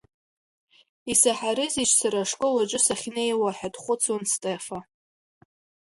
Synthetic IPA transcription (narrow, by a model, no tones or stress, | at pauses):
isaħaɾɨzit͡ʃʰsaɾaʂkʼɨlat͡ʃʷʼʊsaχʲnejwaħᶣadχʷʊt͡sʰwanstʼefa